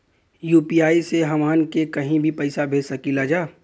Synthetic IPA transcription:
juːpiaːiseɦɐmaːnkekɐɦĩbʱipɐɪsabʱeːsɐkilad͡ʒaː

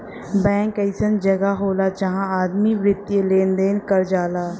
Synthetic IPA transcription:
bɛ̃ːŋkəɪsənd͡ʒɐɡaɦoːlad͡ʒɐɦãaːd̪miʋɾɪt̪ːjeleːnd̪eːnkəɾd͡ʒaːlaː

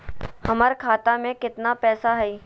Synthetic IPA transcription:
hɐməɾkʰaːt̪amẽkɪt̪napɛːsaɦɛi

